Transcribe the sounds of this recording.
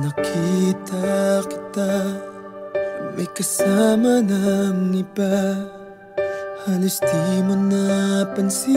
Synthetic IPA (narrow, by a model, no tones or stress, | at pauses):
nakʰit̪ʰaki̥t̪a | mekəsamanamnipa | hanust̪imənːapansi